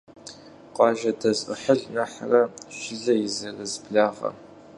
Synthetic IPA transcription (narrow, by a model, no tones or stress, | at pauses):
qʷʼɑːʒɐdɐzəħəɮnɐħarɐʃɪɮɐjɪzɐrɐzbɮaːʁɐ̰